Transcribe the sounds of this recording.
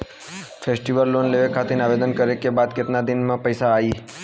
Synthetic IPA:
fʰesʈiʋəlːonleʋekʰːat̪enaʋed̪ənkəɾekebad̪̚ket̪nad̪ɪnmãpəjsaːi

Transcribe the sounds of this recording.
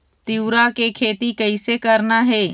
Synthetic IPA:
t̪ɪwɾakekʰeːt̪ikəɪsekɐɾnaɦɛː

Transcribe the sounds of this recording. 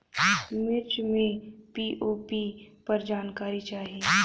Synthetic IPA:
mɪɾt͡ʃmẽpiːʔoːpipɐɾd͡ʒaːnkaːɾit͡ʃaːɦieː

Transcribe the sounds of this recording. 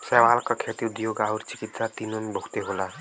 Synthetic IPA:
sɛːʋaːlkakʰeːt̪iʊd̪joːɡaːəɾt͡ʃɪ̥kit̪sat̪inənbʱokt̪eɦola

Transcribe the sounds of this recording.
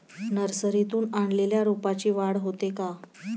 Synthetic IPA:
nəɾsəɾit̪uːnaɳleljaɾupat͡ɕiːʋaɽɦot̪eka

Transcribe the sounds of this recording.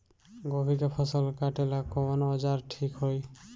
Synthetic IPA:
ɡɔbʱikapʰɔsɔlkaʈɛlakɔmɔnɔd͡ʒaɾʈʰikɦoj

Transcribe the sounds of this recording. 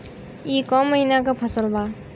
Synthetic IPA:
ikɔmːəɦinakʌpʰəsəlba

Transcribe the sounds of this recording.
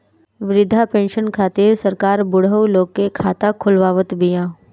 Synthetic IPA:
ʋɪɾɪd̪ʱapẽːnʃənkʰaːt̪ɪɾsəɾkaːɾbʊɽəwloːɡkekʰaːt̪akʰʊlʋaːʋət̪bɪjãː

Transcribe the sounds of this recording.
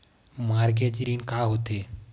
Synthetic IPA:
maːɾɡeːd͡ʒɾiːnkaːɦot̪eː

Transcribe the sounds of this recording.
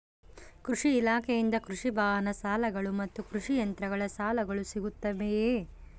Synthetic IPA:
kɾuʂiːlaːkʰejind̪ɐkɾuʂibʱaːɦɐnɐsaːlɐɡɐɭumɐt̪ːukɾuʂijɐnt̪ɾɐɡɐɭɐsaːlɐɡɐɭusiɡut̪ːɐʋeje

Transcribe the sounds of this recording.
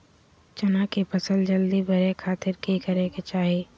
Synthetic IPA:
t͡ʃɐnaːkepɐsəld͡ʒɐld̪ibɐɾekʰaːt̪ɪɾkikɐɾeket͡ʃaːɦiiː

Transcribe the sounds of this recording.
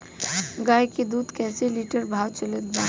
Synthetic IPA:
ɡaːjkid̪uːd̪kɛːseliʈəɾbʱaːwt͡ʃələt̪̚baː

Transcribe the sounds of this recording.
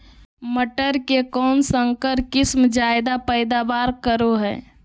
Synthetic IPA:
məʈəɾkekɔːnsəŋkəɾkɪsmd͡ʒaɪd̪apəɪd̪abaːɾkəɾoɦɛː

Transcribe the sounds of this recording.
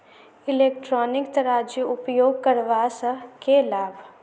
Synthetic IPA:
ɪleːk̚ʈɾɔːnɪkt̪ɐɾaːd͡ʒiʊpjoːɡ̚kəɾʋaːsəkelaːbʱ

